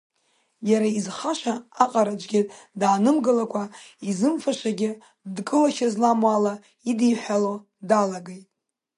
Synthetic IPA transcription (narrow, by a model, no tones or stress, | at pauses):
jaɾaizχaʃʷaaqʼaɾad͡ʒʷʼɡʲɪtʼdʕanɨmɡɨlakʷʰaizɨmfaʃʷaɡʲɪ | dkʼɨlaʃazlamwala | idijħʷalo | dalaɡejtʼ